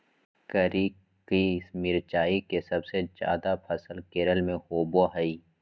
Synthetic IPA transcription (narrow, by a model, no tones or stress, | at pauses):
kəɾiː | kismɪɾt͡ʃaːikesɐbsed͡ʒja̰ːd̪apʰɐsəlkeːɾəlmẽhoːboɦɐiː